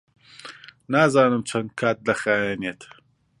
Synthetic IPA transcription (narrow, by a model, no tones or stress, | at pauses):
naːzaːnɨmt͡ʃʰɐnd̪̚kʰaːt̪̚lɐxaːjɛːneːt̪